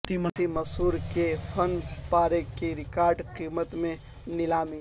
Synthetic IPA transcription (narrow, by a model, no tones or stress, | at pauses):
t̪imt̪iməsuɾkepʰənpaɾekiɾikaɾɖqimət̪me | nilami